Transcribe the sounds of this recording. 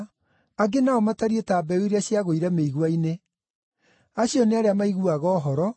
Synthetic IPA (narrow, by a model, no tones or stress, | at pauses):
aɡenaɔmataɾietaːbɛwiɾaɕjaɣoiɾɛmeiɣwaine | aɕjɔneaɾeamaiɣuaɣɔːɦɔɾɔ